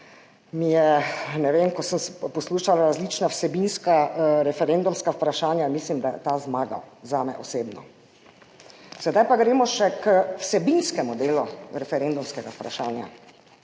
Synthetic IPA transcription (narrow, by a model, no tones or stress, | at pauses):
mijɛnɛʋeːmkɔsəmspɔsluːʃalaɾazlit͡ʃnawsɛbinskaɾɛfɛɾeːnd̪umskaupɾaʃaːnjamislimd̪ajɛ̰t̪azmaːɡa̰wzaːmɛ̰ʔɔseːbnɔ̰ | sɛd̪ajpaɡɾeːmɔʃɛkwsɛbinskɛmud̪eːluɾɛfɛɾeːnd̪umskɛɡaupɾa̰ʃaːnja̰